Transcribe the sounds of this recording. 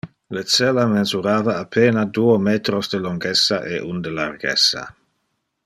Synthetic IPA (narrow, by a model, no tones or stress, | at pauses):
let͡sɛlamenzuɾaːvaːpʰeːnad̪uːomeːt̪ɾosd̪əloŋɡɛsːaʔeʔund̪əlarɡɛ̰sːa̰